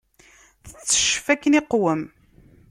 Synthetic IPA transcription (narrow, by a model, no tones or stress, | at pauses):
θə̥t͡sːə̥ʃfækːəniqwəm